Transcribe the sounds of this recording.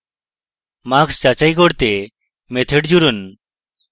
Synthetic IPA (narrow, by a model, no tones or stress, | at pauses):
makst͡ʃat͡ʃajkɔɽt̪e | met̪ʰeʈd͡ʒuɾun